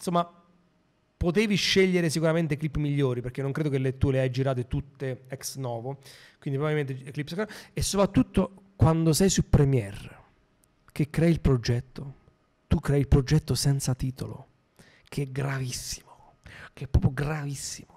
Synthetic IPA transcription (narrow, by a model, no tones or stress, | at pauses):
somːa | pot̪eːviʃːeʎːeɾesikuɾament̪eklipːmiʎːoːɾipeɾk̟enːoŋkɾeːd̪okelːet̪ːueleajd͡ʒiɾaːt̪̬et̪ut̪ːeɛksnɔːvo | kwind̪ipɾobilment̪eklipːskesːopɾat̪ːut̪ːo | kwand̪osɛjsupɾɛmjɛr | k̟ekːɾɛːilpɾod͡ʒɛt̪ːo | t̪ukːɾɛːilpɾod͡ʒɛt̪ːosɛnt̪sat̪iːt̪o̰lo̰ | kʰeɛɡɾavisːi̥mo̥ | keɛpːɾɔ̰pɾjoɡɾavisːi̥mo